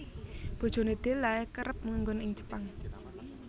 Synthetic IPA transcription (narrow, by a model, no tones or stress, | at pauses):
b̥o̤d̥ʒ̥o̤ned̪̥e̤lːaɛkəɾəp̚muŋɡʊnɪŋd͡ʒə̥paŋ